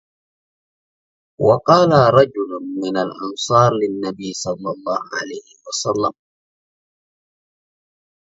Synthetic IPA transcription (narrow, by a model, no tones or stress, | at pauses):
wɑqɑːlaɾˤɑd͡ʒʊlʊnmɪnalʔɑnsɑːɾˤlɪnːabijsˤɑlːɑlˤːɑːhʊʕa̰lajhɪwasalːam